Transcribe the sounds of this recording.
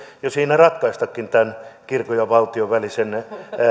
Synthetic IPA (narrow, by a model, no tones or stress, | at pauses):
josiːnærɑt̪kɑist̪ɑkːint̪ænkirkojɑʋɑlt̪ioʋælisen